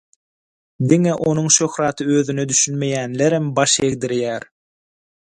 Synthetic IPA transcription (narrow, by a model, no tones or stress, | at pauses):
d̪iŋeʔo̞nuŋʃøxɾɑːt̪ʰɯøðynød̪yʃynme̞jæːnleɾembɑʃe̞ɣd̪iɾjæːɾ